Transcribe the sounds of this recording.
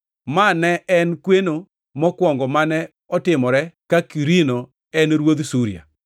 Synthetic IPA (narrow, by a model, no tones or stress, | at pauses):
manɛɛnkweno | mɔkwɔŋɡɔmanɛ | ɔtɪmɔɾɛkakiɾino | ɛnɾwod̪suɾia̰